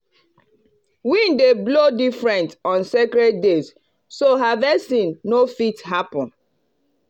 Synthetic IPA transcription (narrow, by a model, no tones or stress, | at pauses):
wĩndeblodifɹɛ̃ntɔ̃nsekɾɛt̚dez | soɦavɛsĩnːofithapɔ̃n